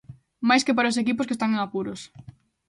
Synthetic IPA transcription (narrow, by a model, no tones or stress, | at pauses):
majskepaɾaos̬ekipʊskest̪aŋŋapuɾos